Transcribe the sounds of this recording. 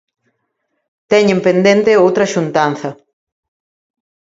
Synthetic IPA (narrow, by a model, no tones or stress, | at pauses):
t̪ɛɲẽmpend̪ent̪eowt̪ɾɐʃunt̪an̟θɐ